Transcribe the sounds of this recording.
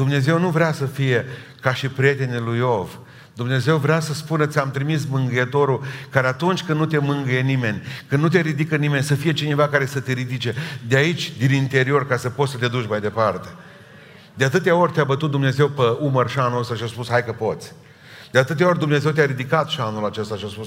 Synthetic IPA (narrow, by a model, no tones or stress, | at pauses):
d̪umne̞ze̞wnuvɾʲeasəfije̞kaʃipɾʲije̞t̪e̞nilujo̞v | d̪umne̞ze̞wvɾeasəspunət̪sʲamt̪ɾimismɨŋɡəjet̪o̞ɾukaɾeat̪unt͡ʃʲkɨnnut̪e̞mɨŋɡəje̞nime̞nʲkɨnnut̪e̞ɾid̪ikənime̞nʲsəfije̞t͡ʃine̞vakaɾe̞sət̪eɾid̪it͡ʃe̞d̪eait͡ʃʲd̪inint̪e̞ɾio̞rkasəpo̞sət̪ead̪ut͡ʃʲmajd̪e̞part̪e̞ | d̪eat̪ɨt̪eao̞rʲt̪eabət̪ut̪̚d̪umne̞ze̞wpeumərʃanost̪aʃiaspushajkəpo̞t̪sʲ | d̪̥eat̪ɨt̪eao̞ɾʲd̪umne̞ze̞wt̪̬ʲaɾid̪ikat̪ʃianːulat͡ʃe̞st̪aʃiaspus